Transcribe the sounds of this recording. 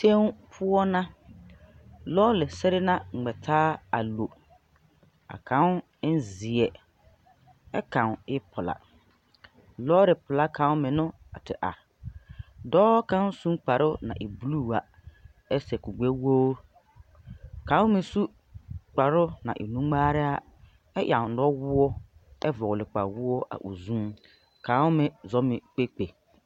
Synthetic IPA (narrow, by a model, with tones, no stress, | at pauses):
tẽ˦n˦pʰʊ˦ɔ˦nã˦ | lɔː˦lɪ˨sɛ˦ɾɪ˦nã˦ŋ͡m̩˨ɡ͡bɛ˨tʰaː˦a̰˨lo˨ | a̰˨kʰã˨˦n˦ | n̩˦zi˨ɛ˨ | ɛ˦kʰã˨n˨ɪ˦pʰʊ˨la̰˨ | lɔː˦lɪ˨pʊ˨la˦kʰã˨˦wmɪ̃˨nʊ̃˦a̰˨tʰɪ˨ʔa̰˨ | dɔː˦kã˦n˦sũ˦k͡pa˨ɾʊ˦nã̰˨ʔe˨bu˦lu˦˨a˨ | ɛ˦sɛ˨ku˨ɡ͡be˦wo˦ | kʰã˨˦ʊ˦mɪ̃˨su˦ | k͡pa˨ɾʊ˦nã̰˨ʔḛ˨nũ˦ŋ͡maː˦ɾɪ˦a˨ | ɛ˦jʔa˨n̩˨dɔ˦wʊ˦ɔ˦ɛ˦vɔ˨ɣlɪ˨k͡pa̰˨wʊ˦ɔ˦ʔa̰˨ʔu˨zũ˦m | kʰã˨˦wʊ˦mɪ̃˨zɔ˦mɪ̃˨k͡pe˦k͡pe˨